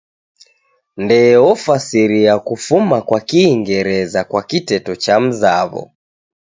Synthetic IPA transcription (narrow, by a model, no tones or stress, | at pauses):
ndɛɔfasiɾiakufumakwakiːŋɡɛɾɛzakwakitɛtɔt͡ʃam̩zaβɔ̰